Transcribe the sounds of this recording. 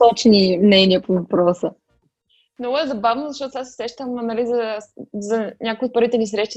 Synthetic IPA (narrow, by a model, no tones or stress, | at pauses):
t̪ɔt͡ʃnimnɛniəpovɐpɾɔsə | mnɔɡʊɛzɐbavnozɐʃt̪ɔt̪asɛ̥sɾɛʃt̪əmnɐlizɐzɐnʲakojot̪̚pɤɾvit̪ɛnis̬ɾɛʃt̪i